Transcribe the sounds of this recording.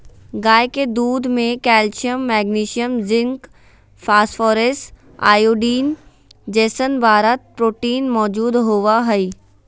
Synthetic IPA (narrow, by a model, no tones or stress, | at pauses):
ɡaːjked̪uːd̪mẽkɛːlt͡ʃjəmːɛːɡniːʃijəmzɪ̃ŋk | fʰaːsfʰɔːɾesʈ | a̰ːjoːɖiːn | d͡ʒɛːsənbʱaːɾət̪̚pɾoːʈiːnmɔːd͡ʒuːd̪ɦoːʋaɦɛi